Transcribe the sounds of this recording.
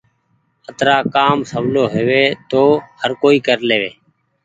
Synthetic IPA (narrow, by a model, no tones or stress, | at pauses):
ət̪ɾaːkaːmsəbloːɦeːʋeːt̪oːhəɾkoːiːkəɾleːʋeː